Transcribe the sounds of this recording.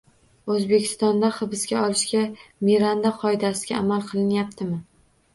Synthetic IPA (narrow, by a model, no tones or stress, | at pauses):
ɵzbe̞kʲʰɪ̥st̪ɒnd̪aχɨbɪsɡʲaɒlˠɪʃɡʲamiɾand̪aqʰɒɪd̪asɪɡʲaːmalˠqʰɨlˠɪnjapt̪ʰɪmɪ